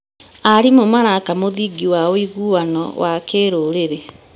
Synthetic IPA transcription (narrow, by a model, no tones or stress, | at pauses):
aɾimomaɾakamoðiɡiwaoiɣuwanɔ̰wʔakeːɾoɾeɾe